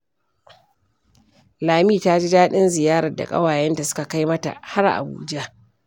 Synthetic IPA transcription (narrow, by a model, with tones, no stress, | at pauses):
laː˨miː˦ta˦d͡ʒi˦daː˦ɗɪ˦nzɪ˨jaː˦ɾɐ˨da̰˨kʼɐ̰˦waː˨jɛ˦nda˨sʊ̥˦ka˨ka˦jmɐ˦ta̰˨ha˦ɾʔa̰˨bṵː˦d͡ʒa˦